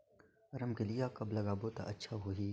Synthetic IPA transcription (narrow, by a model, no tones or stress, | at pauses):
ɐɾəmkelɪjakɐblɐɡaːbot̪a̰ʔɐtːʃʰaɦoːɦiː